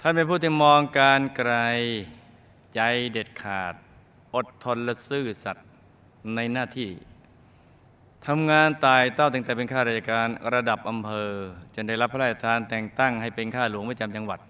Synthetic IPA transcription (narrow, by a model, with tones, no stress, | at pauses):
t̪ʰa˥˩npe˧npʰuː˥˩t̪ʰiː˥˩mɔː˧ŋkaː˧nkɾa˧j | t͡ɕa˧jde˨˩t̪̚kʰaː˨˩t̪̚ | ʔo˨˩t̪ʰːo˧nla˦˧˥sɯː˥˩sa˨˩t̪̚ | na˧jnaː˥˩t̪ʰiː˥˩ | t̪ʰa˧mŋaː˧nt̪aː˨˩jt̪a˥˩wt̪ɯ˧˩ŋt̪ɛː˨˩pe˧nkʰaː˥˩ɾa˧˩ja˧˩kaː˧nɾa˧da˨˩p̚ʔa˧mpʰɤː˧t͡ɕa˧˩nda˥˩jla˦˥p̚ʰːa˧˥la˧˥˩a˧˩t̪ʰaː˧nt̪ɛː˨˩ŋt̪a˥˩ŋha˥˩jpe˧nkʰaː˥˩lu˩˦ŋpa˧˩t͡ɕa˧mt͡ɕa˧ŋwa˨˩t̪̚